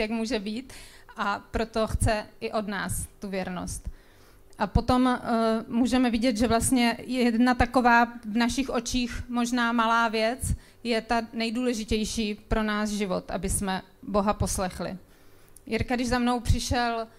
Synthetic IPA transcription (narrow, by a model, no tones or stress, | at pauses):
jakmuːʒɛbiːt̪ | ʔapɾo̞t̪o̞xt͡sɛʔɪʔo̞dnaːst̪uvjɛɾno̰st̪ | ʔapo̞t̪o̞mː | uːʒɛmɛvɪɟɛt̪ʒɛvlast̪ɲɛjɛdnat̪ako̞vaːvnaʃɪxʔo̞t͡ʃiːxmo̞ʒnaːmalaːvjɛt͡s | jɛt̪anɛjduːlɛʒɪcɛjʃiːpɾo̞naːsʒɪvo̞t̪ʔa̰bɪsmɛ | bo̞ɦapo̞slɛxlɪ̰ | jɪɾkadɪʒzamno̞wpr̝̥ɪʃɛl